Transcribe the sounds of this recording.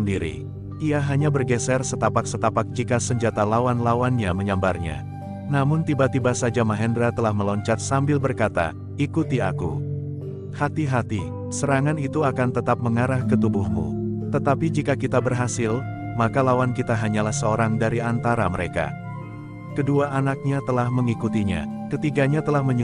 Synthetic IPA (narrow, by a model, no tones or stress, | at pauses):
ndiɾḭ | iaɦaɲabərɡɛsɛrsət̪apak̚sət̪apak̚t͡ʃikasəɲd͡ʒat̪alawanlawanɲaməɲambarɲa̰ | namʊnt̪ibat̪ibasad͡ʒamaɦɛndɾat̪əlahməlɔɲt͡ʃat̪̚sambɪlbərkat̪a̰ | ikut̪iakṵ | hat̪iɦat̪i | səɾaŋanit̪uakant̪ət̪ap̚məŋaɾahkət̪ubʊhmṵt̪ət̪apid͡ʒikakit̪abərɦasɪlmakalawankit̪aɦaɲalahsəoɾaŋdaɾiant̪aɾaməɾeka̰ | kəduaʔːnak̚ɲat̪əlahməŋikut̪iɲa̰kət̪iɡaɲat̪əlahməɲ